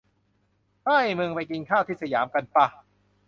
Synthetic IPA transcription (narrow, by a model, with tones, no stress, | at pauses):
haː˥˩jmɯ˧ŋpa˧jki˧nkʰaː˥˩wt̪ʰiː˥˩sa˧jaː˩˦mka˧npa˧